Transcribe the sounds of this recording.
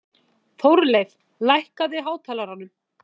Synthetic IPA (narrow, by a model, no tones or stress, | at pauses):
θowɾlejθ | lajhkaðɪɦaːwt̪ʰɛːlaɾanːʏm